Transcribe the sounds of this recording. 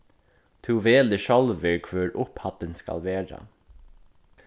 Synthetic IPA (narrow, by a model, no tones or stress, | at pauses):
t̪ʰuʋeːlɪʃɔlʋɪɹkʰvœːɹʔʊphat̪ɪnska̰lʋeːɹa̰